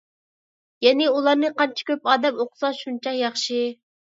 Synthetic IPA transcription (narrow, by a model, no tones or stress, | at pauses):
jɛnɪulˠɑɾnɨqʰɑnt͡ʃʰi̥kʲøpɑːd̪ɛmoqʰʊ̥sɑʃunt͡ʃʰɑjɑχʃɨ